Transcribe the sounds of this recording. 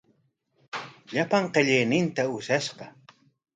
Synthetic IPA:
ʎapaɴqeʎejnɪnt̪aʊʃaʃɢɑ

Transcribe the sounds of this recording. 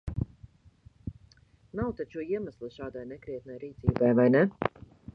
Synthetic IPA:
nawt̪at͡ʃuɔiɛmaslˠɨʃaːd̪ajnɛkɾiɛt̪̚najɾiːt̪siːbajvajnɛ

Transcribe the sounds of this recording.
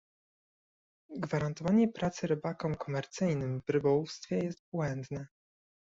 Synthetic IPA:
ɡvaɾant̪ɔvaɲɛpɾat̪sɘɾɘbakɔ̃mkɔmɛɾt̪sɘjnɘmvɾɘbɔwufst̪fʲjɛjɛst̪̚bwɛnd̪nɛ

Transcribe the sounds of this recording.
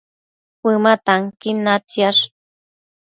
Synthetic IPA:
pɨmat̪aŋkinnːat͡sjaʂ

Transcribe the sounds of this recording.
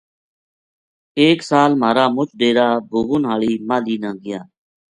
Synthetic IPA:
eːksaːlmaːɾaːmʊt͡ʃʰɗeːɾaːbʱuːʋʊnɦaːɭiːmaːliːnãːɡɪjaː

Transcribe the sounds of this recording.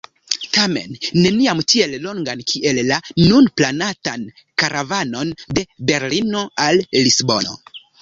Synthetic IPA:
tame̞̰nːe̞niamtie̞llo̞ŋɡankʰiʔe̞lːanunplanatan | kaɾʔavano̞nde̞be̞ɾlino̞alːisbo̞̰no̰

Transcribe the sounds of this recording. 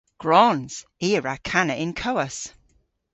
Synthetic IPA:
ɡ̥ɹɔnz̥iːəɹakʰanəʔɪ̃nkʰoʊəs

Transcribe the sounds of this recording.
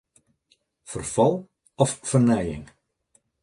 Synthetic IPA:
fərfɑlˠ | ɔffərnɛjɪ̰ŋ

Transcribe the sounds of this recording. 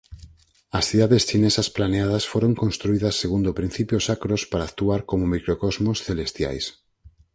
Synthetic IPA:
ɐsθiðaðest͡ʃinesɐsplaneað̞ɐsfoɾoŋkõnst̪ɾuiðɐsːeɣund̪opɾĩn̟θipjosakɾospaɾaːkt̪uaɾkomomikɾokɔzmosθelest̪ja̰js

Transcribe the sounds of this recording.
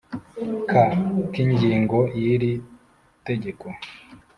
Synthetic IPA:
kʰakiɲɟiːŋɡo̞jiɾi | te̞ɟe̞ko

